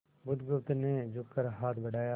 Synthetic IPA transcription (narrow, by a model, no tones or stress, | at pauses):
bʊd̪ɡʊpt̪ned͡ʒʊkːəɾɦaːt̪ʰbəɖaːjaː